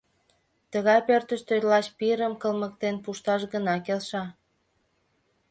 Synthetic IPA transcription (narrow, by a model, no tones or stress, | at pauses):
t̪əɣɑjpørt̪əʃt̪øt̪lɑʃpiɾəmkəlmək̚t̪enpuʃt̪ɑʃɣənɑkelʃɑ